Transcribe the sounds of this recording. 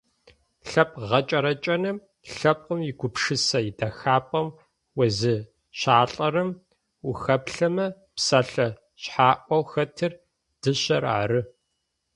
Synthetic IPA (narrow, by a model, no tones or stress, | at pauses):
ɬɐpʼʁɐt͡ʃʼɐɾɐt͡ʃʼɐnɨm | ɬɐp̚qəmjɪɡʷʊpʂɨsɐjidɐxaːpʼɐm | wɐzɨ | ɕaːɬʼɐɾɨm | uxɐpɬɐmɐ | psaːɬɐ | ɕħaːʔʷɔwxɐtʰɨr | d̥ɨɕɐɾa̰ːɾɨ